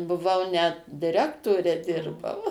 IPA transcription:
bʊˈʋɐʊ nʲɛt dʲɪˈrʲæːktoːrʲɛ ˈdʲɪrbɐʊ

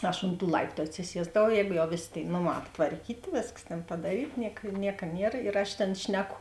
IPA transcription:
ˈɐʃ oːnt tuː ˈlˠɐɪptʊ ɐtʲsʲɪˈsʲiɛzdɐʋɐʊ ˈjɛːɡʊ jɛʊ ˈʋʲeːˌsʲeː tʲeːɪ ˈnoːˌmɑː ɐptʋɐrʲˈkʲiːtʲeː ˈʋʲeːskɐs tʲeːn pɐdɐˈrʲiːt ˈnʲiɛk ˈnʲiɛkɐ ˈnʲiɛr ɪr ɐʃ ˈtʲeːn ˈʃʲnʲæːˌkʊ

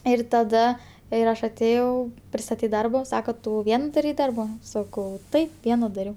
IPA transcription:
ˈɪr tɐˈdɐ ɪr ˈɐʃ ɐtʲˈeːjɛʊ pʲrʲɪstɐˈtʲiːt ˈdɐrboː ˈsɑːkoː ˈtʊ ˈʋʲiɛn dɐˈrʲɛɪ ˈdɐrbɐ ˈsɑːkɐʊ ˈtɐɪp ˈʋʲiɛnɐ dɐˈrʲɛʊ

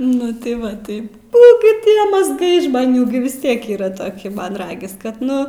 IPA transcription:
ˈnʊ tɐɪ ˈʋɐ ˈtɐɪ ˈnʊ ɡʲɪ ˈtʲiɛ mɐzˈɡɐɪ ʒmɐˈnʲuː ɡʲɪ ʋʲɪs ˈtʲiɛk ˈiːrɐ toːˈkʲɪ ˈmɐn ˈrɑːɡʲɪs kɐt ˈnʊ

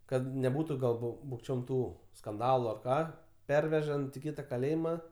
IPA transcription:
ˈkɐt nʲɛˈbuːtʊ ɡɐlˠ ˈbʊ bʊkˈt͡ʃʲoːm ˈtuː skɐnˈdɑːlˠʊ ɐr ˈkɑː ˈpʲɛrʲʋʲɛʒɐnt ɪ ˈkʲɪtɐ kɐˈlʲeːjɪmɐ

